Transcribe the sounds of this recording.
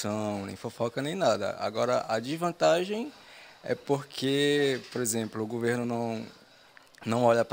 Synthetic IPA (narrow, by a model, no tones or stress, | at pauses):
sɐ̃w̃nḛ̃j̃fofɔkɐnẽj̃nad̪ɐ̰a̰ɡɔɾɐ̰ʔɐd͡ʒizvɐ̃nt̪aʒẽj̃ɛ̰poɾkʰepoɾezẽplʊːɡoveɾnʊnɐ̃w̃ | nɐ̃w̃ɔʎɐp